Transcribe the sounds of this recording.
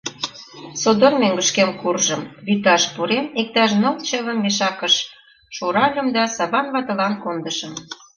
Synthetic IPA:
sod̪ormeŋɡə̆ʃkemkurʒəmβyt̪ɑʃpuɾemek̚t̪ɑʃnɤ̆lt͡ɕɑβə̆mːeʃɑkəʃ | ʃoɾɑlʲə̆md̪ɑsɑβɑnβɑt̪ɤ̆lɑnkond̪əʃə̆m

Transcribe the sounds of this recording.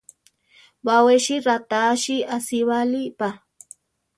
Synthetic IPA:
waweʃiɾat̪aːʃiasiβalipa

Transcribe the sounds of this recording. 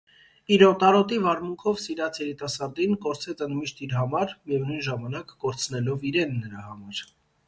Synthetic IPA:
iɾɔt̪ɑɾɔt̪ivɑɾmuŋkʰɔvsiɾɑt͡sʰjɛɾit̪ɑsɑɾd̪inkɔɾt͡sʰɛt͡sənd̪miʃt̪iɾɦɑmɑɾjɛvnujnʒɑmɑnɑkːɔɾt͡sʰnɛlɔviɾɛnːəɾɑhɑmɑɾ

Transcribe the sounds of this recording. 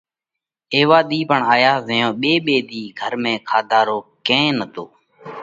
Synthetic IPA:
eːʋaːɗ̪iːpəɳaːjaːzəjõːɓeːɓeːɗ̪iːɡʱəɾmẽːkʰaːd̪ʱaːɾoːkẽːnət̪oː

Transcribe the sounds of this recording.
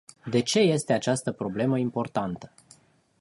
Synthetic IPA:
d̪e̞t͡ʃe̞je̞st̪e̞at͡ʃast̪əpɾo̞ble̞məimpo̞rt̪ant̪ə̥

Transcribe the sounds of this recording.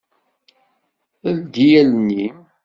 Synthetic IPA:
əld̪ijælnːim

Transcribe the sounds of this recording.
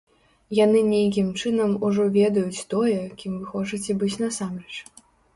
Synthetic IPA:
janɨnʲejk̬ʲimt͡ʂɨnɐmuʐɔvʲɛd̪ɐjut͡sʲt̪ɔjɛkʲimvɨxɔt͡ʂɨt͡sʲɛbɨt͡sʲnasamɾɛt͡ʂ

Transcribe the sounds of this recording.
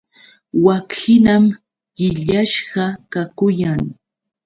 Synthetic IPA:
wakɪnam | ɢɪʎaʃɢɑkakʊjaŋ

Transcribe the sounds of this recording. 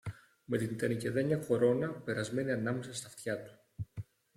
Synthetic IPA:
me̞t̪init̪ɐnice̞ðɐɲɐko̞ɾo̞nɐpe̞ɾɐzme̞niɐnɐme̞sɐst̪ɐft̪çɐt̪u̥

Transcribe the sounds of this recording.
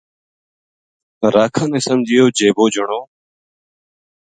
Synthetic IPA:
ɾaːkʰãːnẽːsəmd͡ʒʱɪjoːd͡ʒeːboːd͡ʒəɳoː

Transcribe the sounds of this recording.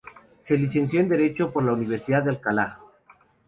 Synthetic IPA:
se̞lis̬e̞nsjo̞end̪e̞ɾe̞t͡ʃopoɾlauniβ̞e̞ɾsiðaðalkala

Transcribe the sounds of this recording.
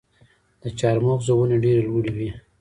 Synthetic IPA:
d̪̥ət͡ʃɑɾmoqzawuneɖeɾelwuɽiwi

